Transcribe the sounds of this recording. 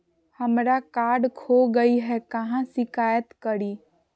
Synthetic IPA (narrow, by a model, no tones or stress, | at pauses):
həmɾakaːɾɖkʰoɡəiɦɛkɐɦãsɪkaːjət̪kəɾiː